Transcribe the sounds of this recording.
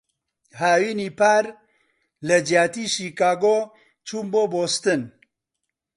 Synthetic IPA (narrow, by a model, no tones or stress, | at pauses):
haːwiːniːpʰaːɾ | ləd͡ʒjaːt̪iːʃiːkaːɡoː | t͡ʃʰuːmboːboːst̪ɨn